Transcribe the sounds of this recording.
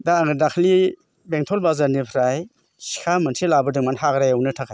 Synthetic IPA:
daɡdakʰli | beŋtʰɔlbazaɾnipʰɾaj | si̥kʰamansʰilabɯdɯŋmanɦaɡɾajawnɯtʰakʰaj

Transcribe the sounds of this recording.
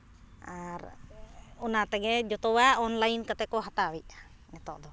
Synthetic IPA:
aɾ | unat̪ɛɡɛd͡ʒɔt̪ɔwaʔɔnlainkat̪ɛkɔɦat̪awiʔ | ŋɛt̪ɔʔd̪ɔ

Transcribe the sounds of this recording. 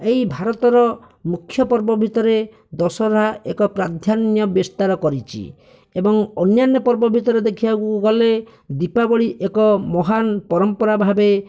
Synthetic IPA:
ejbʱaɾɔt̪ɔɾɔ | mukʰːjɔpɔɾbɔbʱit̪ɔɾe | d̪ɔsɔɾaekɔpɾad̪ʱjanjɔbest̪aɾɔkɔɾit͡ʃʰḭ | ebɔŋɔnjanjɔpɔɾbɔbʱit̪ɔɾed̪ekʰibakukɡɔle | d̪ipabɔɭiʔekɔmɔɦanpɔɾɔmpɔɾabʱabe

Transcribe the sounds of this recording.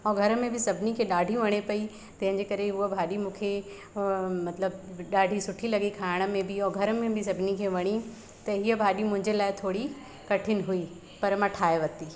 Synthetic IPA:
ɔːɾɡʱɐɾəmẽbʱɪsɐbʱɪnikʰeɗaːɖʱijũʋɐɽ̃epɐi | t̪ɐ̃ɦɪ̃ɲd͡ʑekɐɾeɦʊəbʱaːɗimũːkʰe | mɐt̪ləbɗaːɖʱisʊʈʰilɐɡikʰaːɪɽ̃ə̆mẽbʱɪɔːɾɡʱɐɾəmẽbʱɪs̬ɐbʱɪnikʰeʋɐɽ̃i | t̪ɐɦiəbʱaːɗimʊ̃ɦɪ̃ɲd͡ʑelaːɪt̪ʰoːɽi | kɐʈʰɪnɪɦui | pɐɾmãʈʰaːeʋɐt̪i

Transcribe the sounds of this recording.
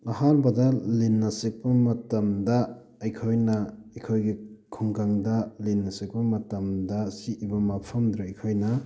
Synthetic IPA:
ɐhanbɐdɐlinːɐsik̚pɐmɐtɐmdɐː | jkʰojnɐɐjkʰojɡikʰuŋkaŋdɐlinːɐsik̚pɐmɐtɐmdɐsiibɐmapʰɐmd̪ɾeɐjkʰojnɐ

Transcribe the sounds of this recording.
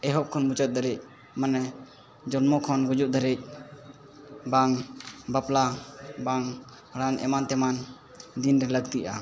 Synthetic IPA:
ɛɦɔʔ̚kʰɔnmut͡ʃɔt̪̚d̪əɾɛc̚ | manɛ | d͡ʒɔnmɔkʰɔnɡɔd͡ʒut̪̚d̪əɾɛc̚ˀ | baŋbaplabaŋ | ɾanʔɛ̰mant̪ɛman | d̪inɾɛləɡ̚t̪iʔa̰

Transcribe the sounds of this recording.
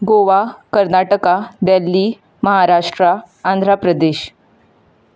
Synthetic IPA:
ɡoʋakəɾnaʈəkad̪ɛlːiː | məɦaɾaʂʈɾaː | nd̪ʱɾapɾəd̪eɕ

